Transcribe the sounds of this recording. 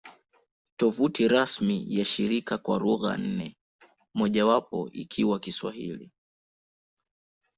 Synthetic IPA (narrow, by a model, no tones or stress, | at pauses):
tɔvutiɾasmijaʃiɾikakwaɾuɣa̰n̩nɛ | mɔʄawapɔ̰ikʰiwakiswa̰hḭlḭ